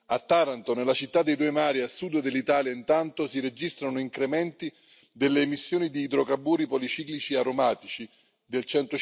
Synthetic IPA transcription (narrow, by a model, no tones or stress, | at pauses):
at̪ːaɾant̪onelːat͡ʃit̪ːad̪ejd̪ujmaːɾiasud̪ːed̪elːit̪aːljaint̪ant̪osiɾed͡ʒist̪ɾanoiŋkɾemɛnt̪i | d̪elːeːmisːjoːnid̪iːd̪ɾokabːuːɾipɔlit͡ʃiklit͡ʃieaɾomaːt̪it͡ʃi | d̪elt͡ʃɛnt̪o